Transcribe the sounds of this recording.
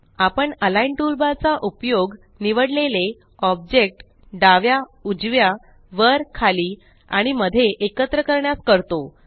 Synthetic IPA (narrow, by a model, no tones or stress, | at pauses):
apəɳəlainʈulbat͡saʔupjoɡ | niʋəɽlele | ɔb̚d͡ʑek̚ʈ | ɖaʋjaud͡zʋja | ʋəɾkʰaliː | a̰ɽ̃iməd̪ʱːeʔekət̪ɾəkəɾɳjaskəɾt̪o